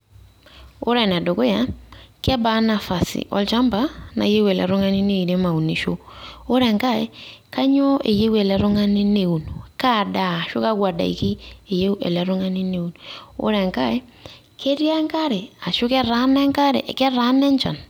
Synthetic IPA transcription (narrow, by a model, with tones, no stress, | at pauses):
o̰˦ɾɛ˨nɛ˨do˨ko˦ja˨˦kɛ˦ba˨˦na˨fa˨sḭ˨ʔɔ̰˦lt͡ʃa˦mba˦na̰˨˦je˦wɛ˨lɛ̰˨ɾo˦ŋa˦ni˦ne˦i˨ɾe˦ma˨u˨ni˨ʃo˦o˦ɾɛ˨ŋka˦e˦ka˦ɲo˦e˨je˦wɛ˨lɛ˨ɾo˦ŋa˦nɪ˦ne˨u˨nuka˦˨da˨ʃʊ̰˦ka˦kwa˨da̰˨ḭ˨ki˦e˨je˦u˦ɛ̰˨lɛ˨ɾo˦ŋa˦ni˦ne˨u˦no̰˦ɾɛ˨ŋka˦e˦ | kʰe˦ɾja˦ŋka˦ɾe˨a˨ʃʊ˦kɛ˦ɾa˨˦nɛ˦ŋka˦ɾḛ˨ʔkɛ˦ɾa˦nɛ˦ɲt͡ʃa̰˨n